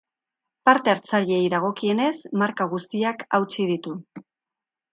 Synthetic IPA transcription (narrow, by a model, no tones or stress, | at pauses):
paɾt̪e̞aɾt͡saɾie̞jðaɣ̞o̞kie̞ne̞smaɾkaɣ̞ust̪iakawt͡sið̞it̪u